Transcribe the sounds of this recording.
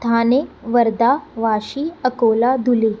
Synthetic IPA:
t̪ʰaneʋəɾd̪aʋaɕiːəkolad̪ʱule

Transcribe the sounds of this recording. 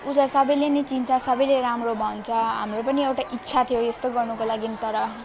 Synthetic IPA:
ud͡zʌsʌbʌjlenʌjt͡sint͡sʰʌsʌbʌjleɾamrobʱʌnt͡sʰʌɦa̰mropʌniewʈaʔitːsʰat̪ʰijojest̪oɡʌrnukolaɡinit̪ʌɾʌ

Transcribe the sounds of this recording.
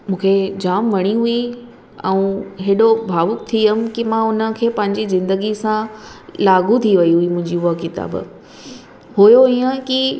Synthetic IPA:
mũːkʰed͡ʑaːmʋɐɽ̃iɦui | ɛ̰̃ũɦeːɗobʱaːʋʊk̚t̪ʰiəm̆kimãʊnə̆kʰeːpɐ̃ɦɪ̃ɲd͡ʑizɪ̃nd̪əɡisãlaːɡʱut̪ʰiʋɐiɦuimʊ̃ɦɪ̃ɲd͡ʑiʊəkɪt̪a̰ːb̰ | ɦujoiːə̃ki

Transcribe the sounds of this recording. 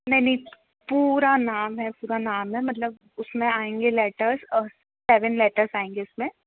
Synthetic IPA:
nɐɦinɦĩ | puːɾanaːmɦɛpuːɾanaːmɦɛmɐt̪̬ləb̚ | ʊsmẽaːẽːŋɡelɛːʈəɾz | sɛːʋənlɛːʈəɾsaːẽːŋɡeʊsmẽ

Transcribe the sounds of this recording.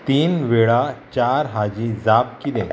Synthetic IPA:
t̪iːnʋeɭat͡ɕaɾɦad͡ʑĩd͡zap̚kid̪ẽ

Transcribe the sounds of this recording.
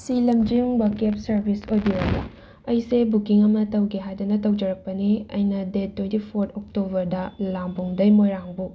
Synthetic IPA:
silɐmd͡ʒiŋbɐkepsɐɾbʱisojbioɡɐ̰ | ɐjsebukiŋɐmɐtɐwɡeɦajdɐnɐtɐwd͡ʒɐɾɐk̚pɐniɐ̰jnɐdetʰːwentipʰoɾtʰok̚tobɐɾdɐlambuŋdɐjmojɾaŋbu

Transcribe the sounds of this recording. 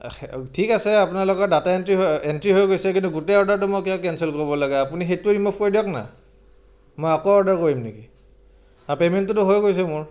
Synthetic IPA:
tʰikasɛapunalɔkɔdataentɹiɦentɹiɦojɡojsɛkintuɡutɛɔɹdaɹtʊmojkɛjakɛnsɛlkoɹibɔlaɡɛapunixetuɹimupʰkoɹidiɔkna̰ | mojakɔɔɹdaɹkoɹimniki | apementːʊtʊɦojɡojs̬ɛmʊɹ

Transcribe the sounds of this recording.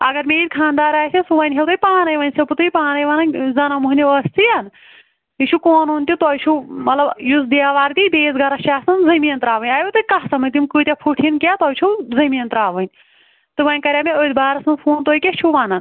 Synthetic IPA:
ɐ̰ɡɐɾmeːilʲkʰãːnd̪aːɾaːjsʲʰisuʋɐnʲɦewt̪uipaːnɐjʋɐnʲseput̪ɨipaːnɐjʋanɐnzɐnɐmuɦniɐst̪ʰijan | it͡ʃʰukoːnoːnʲt̪ʲut̪ɔjt͡ʃʰumɐt̪lɐbjusd̪iaːʋaːɾt̪ibeːzɡɐɾɐt͡ʃiaːsɐnzɐmijɐnt̪ɾaːʋənʲaːjet̪ɐikɐɦsɐmɐt̪imkɨːt̪ʲapʰuʈʰinkʲat̪ɐːjt͡ʃʰuwzɐmiːɐnt̪ɾaːʋɐnʲ | t̪ɨʋɐnʲkɐɾʲjaːmeəːd̪baːɾɐsɨnpʰoːnt̪oːjkʲet͡ʃʰuʋaːnɐn

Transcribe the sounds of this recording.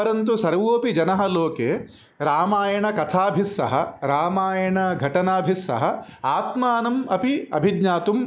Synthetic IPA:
ɐɾɐnt̪usɐɾʋoːpid͡ʒɐnɐɦɐloːkeː | ɾaːmaːjɐɳɐkɐt̪ʰaːbʱisːɐ̰ɦɐ̰ɾaːmaːjɐɳɐɡʱɐʈɐnaːbʱisːɐ̰ɦɐaːt̪maːnɐmɐpiɐ̰bʱid̪ɲaːt̪um

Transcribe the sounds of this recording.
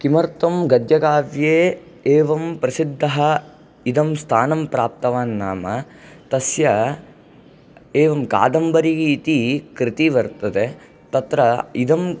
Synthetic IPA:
kimɐɾt̪ɐmɡɐd̪jɐɡaːʋjeː | eːʋɐmpɾɐsid̪ʱːɐɦɐ | id̪ɐmst̪ʰaːnɐmpɾaːp̚t̪ɐʋaːnːaːmɐ | t̪ɐsjɐ | eːʋɐmka̰ːd̪ɐmbɐɾiɡiit̪ikɾit̪iʋɐɾt̪ɐd̪e | t̪ɐt̪ɾɐid̪ɐm

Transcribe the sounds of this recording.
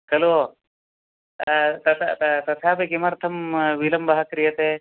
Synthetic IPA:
kɐlo | t̪ɐt̪ʰt̪t̪ɐt̪ʰaːbekimɐɾt̪ʰɐmʋilɐmbɐɦɐkɾijɐt̪eː

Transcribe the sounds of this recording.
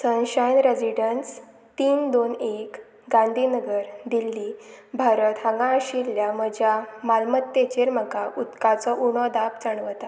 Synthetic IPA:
sənɕajnɾed͡ʑiɖəns | t̪iːnd̪onek | ɡãnd̪ʱinəɡəɾd̪ilːibʱaɾət̪ɦəŋɡãəɕiɾjaməd͡ʑjamalmət̪ːet͡ɕeɾm̤əkaʔut̪kat͡sɔʔuɳ̃ɔd̪apt͡səɳ̃ʋət̪a

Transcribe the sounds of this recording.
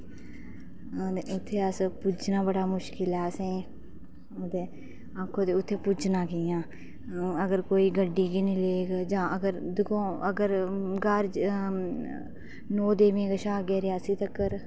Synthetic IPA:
eʊt̪ʰːeːəspʊd͡ʒnãːbəɽaːmʊʃkɪlɛːsẽː | oːd̪eː | akʰːõːt̪eːʊt̪ʰːeːpʊd͡ʒnaːkijãː | əɡəɾkoːiːɡəɖːiːɡinĩːleːɡd͡ʒãːʔəɡəɾd̪ʊkõːəɡəɾɡaːɾd͡ʒ | noːd̪eːmẽːɡəʃaːɡeːɾɪjaːsiːt̪əkːəɾ

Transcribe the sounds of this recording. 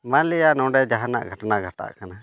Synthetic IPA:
malijaʔnɔ̃wɖɛd͡ʒaɦana̰ʔɡʱəʈnaɡʱəʈa̰ʔkana

